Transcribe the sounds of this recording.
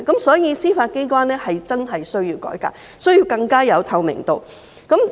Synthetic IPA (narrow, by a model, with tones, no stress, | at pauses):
kɐ˨˥msɔː˨˥jiː˨˧siː˥faː˧t̚ke˥jkwaː˥nlɛː˥hɐ˨jt͡sɐ˥nɦɐ˨jsɵ˥ɥjiː˧wkɔ̰ː˨˥jka̰ː˧k̚ | sɵ˥ɥjiː˧wkɐ˧ŋkaː˥jɐ˨˧wt̪ʰɐ˨˧wmɪ̰˨˩ŋt̪o˨w | kɐ˨˥m